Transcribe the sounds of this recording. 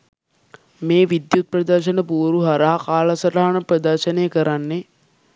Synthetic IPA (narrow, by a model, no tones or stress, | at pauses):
meːʋid̪jut̪̚pɾɐd̪əɾʃənəpuːɾuɦaɾaɦakaːlɐsɐʈaɦanəprɐd̪ɐɾʃənejəkəɾanːe